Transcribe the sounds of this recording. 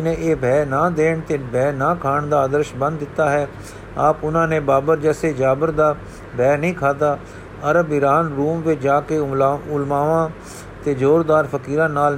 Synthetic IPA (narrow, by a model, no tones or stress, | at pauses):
nẽːeːbʱɛːnaːd̪eːɳt̪eːbɛːnaːkʰaːɳd̪aːd̪əɾʃbə̃nd̪ːɪt̪ːaːɦɛː | aːpʊnãːnẽːbaːbəɾd͡ʒɛːseːd͡ʒaːbəɾd̪aː | bʱɛːnəĩːkʰaːt̪̬aː | əɾəbɪɾaːnɾuːmʋɪt͡ʃd͡ʒaːkeːʊlmaːʋãː | t̪eːd͡ʒoːɾd̪aːɾfʰəkiːɾãːnaːl